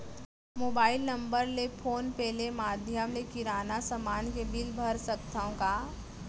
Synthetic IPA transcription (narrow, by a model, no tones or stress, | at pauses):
moːbaːɪlnɐ̃mbəɾlepʰoːnpɛɦlemaːd̪ʱjəmlekɪɾaːnasɐmaːnkebɪlbʱəɾsəkt̪ʰaõkaː